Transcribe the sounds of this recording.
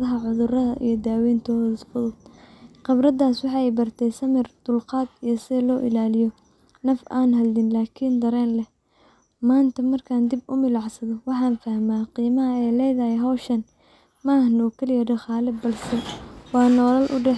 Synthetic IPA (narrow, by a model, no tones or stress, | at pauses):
ðɐɦɐʕʊðʊrɐðɐ̰ʔḭjɞd̪aːwɛːnt̪ʰɔːfʊðʊd̪qɐbrɐd̪aːswɑħɑɛjbɐrt̪ʰɛjsɐmɪrd̪̥ʊlqɑːd̪ijɞsɪɛlɔːʔɪ̰laːlɪjɔ | nɐfaːnɦɐld̪ɪnlaːkʰiːnd̪ɐɾɛːnlɛ | maːnt̪ʰɐmɐrkʰaːnd̪ɪbʊmɪlɑʕsɐðɔwɑħɑːnfɐhmaːqiːmɐɦɐɛjlɛjðɐhɛɦɐwʃɐn | maːhnʊːkʰɐlɪjɐɖɐχɑːlɪbɐlsɛwɑːnɔːlɐlʔʊ̰ɖɛħ